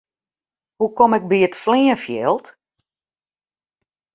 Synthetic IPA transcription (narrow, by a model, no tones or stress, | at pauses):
hukomɪk̚biətfliːəfjɛːlˠt